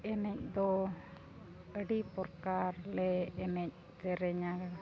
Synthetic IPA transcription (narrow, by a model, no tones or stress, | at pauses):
ɛnɛc̚d̪ɔ | əɖipɔɾkaɾlɛɛnɛc̚ | d͡ʒɛɾɛɲa